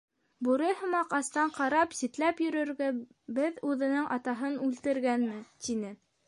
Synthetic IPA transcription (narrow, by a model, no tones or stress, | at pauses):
buɾɤjhɤ̆mɑqɑst̪ɑɴqʰɑɾɑpsit̪læpjɵ̆ɾɵ̆ɾɡæ | bɘðʉðɘ̆nɘŋʔɑt̪ɑɦɤnʉlt̪ɘ̆ɾɡænmɘt̪inɘ